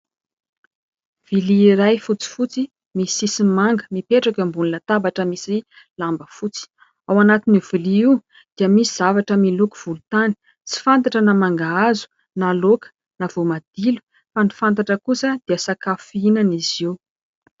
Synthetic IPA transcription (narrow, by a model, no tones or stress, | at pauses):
v̥iliɾajfut͡si̥fut͡si | misisimaŋɡəmipeʈ͡ʂakəmbuninat̪abaʈ͡ʂəmisi | lambəfut͡si̥ | awanat̪iniv̥uliiw | d̪̥iəmisiz̥avaʈ͡ʂəmiluku̥v̥ulut̪ani̥ | t͡si̥fant̪̬aʈ͡ʂənamaŋɡaazu̥ | nalokə̥ | nav̥omad̪̥ilu̥ | fanifant̪̬aʈ͡ʂəkusəd̪̥iəsakafinaniziw